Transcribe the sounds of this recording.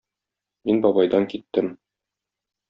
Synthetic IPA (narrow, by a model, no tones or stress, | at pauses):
minbɒbɑjd̪ɑŋkit̪ːɘm